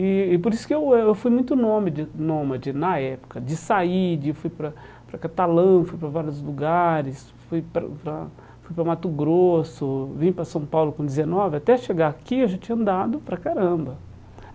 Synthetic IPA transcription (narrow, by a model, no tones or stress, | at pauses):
ɪːpoɾisʊ̥kɪewɛewfujmũj̃t̪ʊnõmɪd͡ʒɪnõmɐd͡ʒɪnɐɛpʊ̥kɐd͡ʒɪsaid͡ʒɪewfujpɾɐ | pɾɐkat̪alɐ̃fujpɾɐvaɾjʊzluɡaɾɪs | fujpɾɐ̰pɾɐ | fujpɾɐmat̪ʊɡɾosʊvĩɲʊpɾɐsɐ̃w̃pawlʊkõd͡ʒɪzenɔvɪat̪ɛɐʃeɡaakiewʒat͡ʃĩɲɐ̃nd̪ad̪ʊpɾɐkaɾɐ̃mbɐ